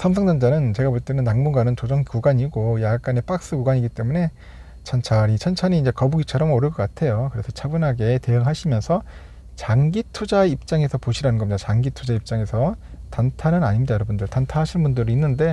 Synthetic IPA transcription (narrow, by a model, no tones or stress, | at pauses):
sʰamsʰʌŋdand͡ʑanɯnt͡ɕe̞ɡapoɭt͈enɯnːaŋmuɡanɯnt͡ɕod͡ʑʌŋkuɡaɲiɡojak͈ane̞p͈ak̚s͈ɯkuɡaɲiɡit͈e̞mune̞ | t͡ɕʰant͡ɕʰaɾit͡ɕʰant͡ɕʰaniind͡ʑe̞kʌbuɡit͡ɕʰʌɾʌmoɾɯɭk͈ʌk͈atʰe̞jokɯɾesʰʌt͡ɕʰabunɦaɡe̞te̞jɯŋɦaɕʰimjʌnsʰʌ | t͡ɕaŋɡitʰud͡ʑaip̚t͡ɕ͈aŋe̞sʰʌpoɕʰiɾanɯnɡʌmɲid̥̪at͡ɕaŋɡitʰud͡ʑaip̚t͡ɕ͈aŋe̞sʰʌ | tantʰanɯnaɲimɲidajʌɾʌbundɯɭtantʰaɦaɕʰinbundɯɾiinːɯnde̞